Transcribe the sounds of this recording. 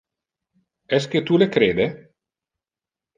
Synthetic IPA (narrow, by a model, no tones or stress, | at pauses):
ɛs̬k̟et̪ulekɾeːd̪e